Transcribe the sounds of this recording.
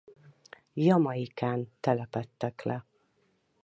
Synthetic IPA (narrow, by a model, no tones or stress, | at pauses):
jɒmɒjikaːnt̪ɛlɛpɛt̪ːɛklɛ